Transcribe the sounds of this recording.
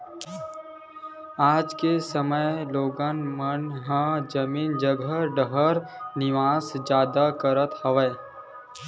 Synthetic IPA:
aːd͡ʒkesəməjloːɡanmənɦãd͡ʒəmiːnd͡ʒəɡʱəɖəɦəɾnɪʋaːsd͡ʒjaːd̪akəɾət̪həʋəː

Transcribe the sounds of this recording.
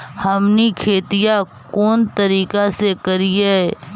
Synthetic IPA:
hɐmnikʰeːt̪ɪja | kɔːnt̪ɐɾiːkasekɐɾie

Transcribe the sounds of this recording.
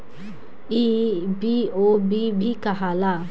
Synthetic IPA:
ibiobibʱikaɦala

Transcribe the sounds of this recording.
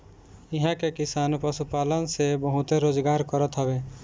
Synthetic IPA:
ɪɦãkekɪsaːnpəsupalənsebɔɦʊt̪eɾoːd͡ʒɡaːɾkɔɾət̪ɦɔbe

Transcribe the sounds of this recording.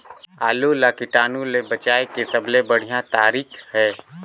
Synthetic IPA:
aːlolakɪʈaːnulebət͡ʃaːekesəblebəɽ̤ijãt̪aːɾiːkʰhɛː

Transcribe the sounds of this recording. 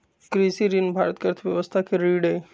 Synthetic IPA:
kɾisiɾinbʱa̰ːɾət̪kəɾt̪ʰʋjəʋəst̪ʰakʰeɾiːɽe

